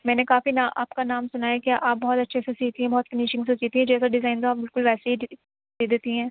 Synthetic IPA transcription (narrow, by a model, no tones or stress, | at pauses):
mɛ̃ːnekaːfinaːʔa̰ːpkanaːmsʊnaːjakjaʔaːp̚bɔɦɔt̪ɐtːʃʰesesiːt̪iɦɛ̃bɔɦːt̪̚kɪniːʃɪ̃ŋɡsesiːt̪iɦɛ̃d͡ʒɛːsaɖɪzaːɪnt̪oaːpbɪlkʊlʋɛːseɦi | d̪eːd̪eːt̪iɦɛ̃ː